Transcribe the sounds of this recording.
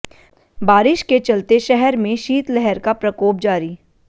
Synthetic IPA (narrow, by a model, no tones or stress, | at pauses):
baːɾɪʃket͡ʃɐlt̪eʃɛɦɛɾmẽʃiːt̪lɛɦɛɾkapɾɐkoːp̚d͡ʒaːɾiː